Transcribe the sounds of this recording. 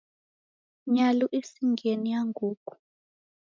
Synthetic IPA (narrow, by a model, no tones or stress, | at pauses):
ɲaluʔesiŋɡʱenijaŋɡʱuːkʼu̥